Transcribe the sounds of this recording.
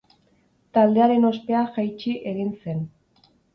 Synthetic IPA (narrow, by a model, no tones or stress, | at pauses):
t̪ald̪e̞aɾe̞no̞spe̞axajt͡ʃiʔe̞ɣ̞inse̞n